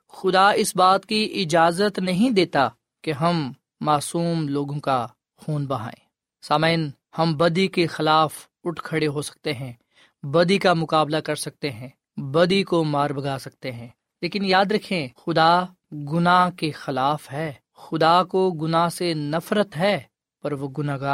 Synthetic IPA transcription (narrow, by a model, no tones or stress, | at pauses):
xʊd̪aɪsbaːt̪kiʔɪd͡ʒaːzət̪nɐɦĩd̪eːt̪a | keɦɐmː | aːsuːmloːɡõka | xuːnbɐɦa̰ːḛ̃ː | saːmɪn | hɐmbɐd̪ikexɪlaːf | ʊʈʰkʰɐɽeɦosɐ̥k̚t̪eɦɛ̃ | bɐd̪ikamʊkaːblakɐɾsɐk̚t̪eɦɛ̃ː | bɐd̪ikomaːɾbɐɡʱaːsɐk̚t̪eɦɛ̃ː | leːkɪnjaːd̪ɾɐkʰẽxʊd̪a | ɡʊnakexɪlaːfɦɛː | xʊd̪akoɡʊnasenɐfɾət̪ɦɛː | pɐɾʋoɡʊnaɡa